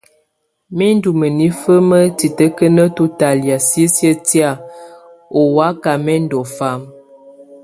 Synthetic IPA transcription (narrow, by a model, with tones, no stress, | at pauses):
mɛ˦n˦du˨mə˨ni˦fə˦mə˦ti˨tə˦kə˦nə˦tu˦ta˨lja˨si˦sjə˦ti˦a˦˨ | o˨wa˦ka˨mɛ˦n˦dɔ˨fa˦m